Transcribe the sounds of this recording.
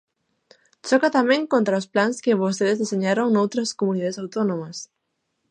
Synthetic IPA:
t͡ʃɔkat̪amɛ̃ŋkont̪ɾɐʊsplaŋskɪβost̪eðɪzðiseɲaɾoŋnowt̪ɾɐskomuniðaðesawt̪onõmɐs

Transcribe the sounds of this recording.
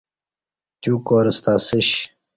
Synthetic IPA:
t̪ʲuːkoːɾɐst̪aːsiɕ

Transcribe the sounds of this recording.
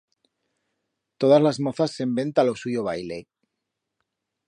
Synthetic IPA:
t̪o̞ðazlazmoθasːe̞mbe̞nt̪alo̞suʝoβ̞ajle

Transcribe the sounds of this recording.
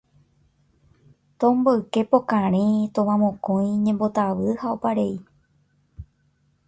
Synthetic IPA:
t̪õmboɨke̞po̞kãɾ̃ẽt̪õʋãmõkõj̃ɲẽmbo̞t̪aʋɨhaopaɾe̞i

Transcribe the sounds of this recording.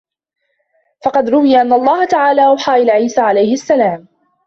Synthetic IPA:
fɑqɑd̪ɾʊwɪjaʔanːaʔɑlˤːɑːhat̪aʕaːlaːʔawħaːʔɪlʕiːsaːʕalajhɪʔasːalaːm

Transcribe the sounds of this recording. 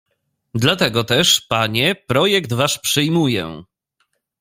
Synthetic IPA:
d̪lat̪ɛɡɔt̪ɛʂpaɲɛpɾɔjɛkt̪vaʂpʂɘjmujɛ̰

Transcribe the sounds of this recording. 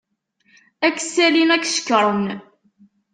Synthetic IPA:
ækːsːælimækːʃə̥kːɾˤən

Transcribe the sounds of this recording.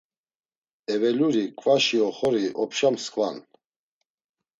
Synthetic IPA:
ɛvɛluɾikʼvaʃiɔχɔɾiʔɔpʰʃamskʼvan

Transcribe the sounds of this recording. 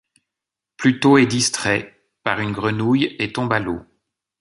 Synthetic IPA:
plyt̪oɛd̪ist̪χɛ | paʁynɡʁənujet̪ɔ̃balo

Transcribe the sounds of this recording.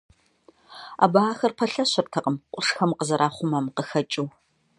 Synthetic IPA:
a̰ːbaːxɐrpʰɐɬɐɕɐrtʰɐqʼəmqʷʼʊʂxɐmqəzɐɾʔaːχʷʊmɐmqəxɐt͡ʃʼuː

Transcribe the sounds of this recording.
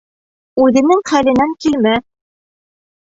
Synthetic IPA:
ʉðɘ̆nɘŋχælɘ̆næŋkilmæ

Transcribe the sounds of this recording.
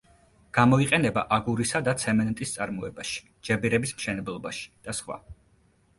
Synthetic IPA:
ɡ̥amɔiqʼɛnɛba̰ʔaɡuɾisad̪at̪sʰɛmɛnt̪ʼist̪sʼaɾmɔɛbaʃi̥ | d͡ʒɛbiɾɛbismʃɛnɛblˠɔbaʃi̥d̪̥asχwa̰

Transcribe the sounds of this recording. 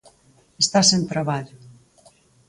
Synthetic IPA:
est̪asent̪ɾaβaʎʊ

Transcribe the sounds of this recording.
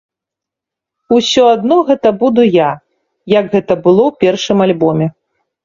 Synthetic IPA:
usʲɔad̪nɔɣɛt̪ɐbud̪uja | jɐɡɣɛt̪ɐbɨlˠɔwpʲɛrʂɨmalʲbɔmʲɛ

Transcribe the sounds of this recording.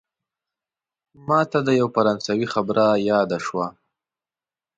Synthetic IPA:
mɑt̪ad̪əjawfaɾɑnsawixabɾajɑd̪aʃwa

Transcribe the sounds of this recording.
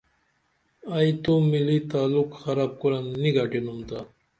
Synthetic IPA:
ajt̪omilit̪aːlukxɐɾaːb̚kuɾanːiɡaʈinumt̪a

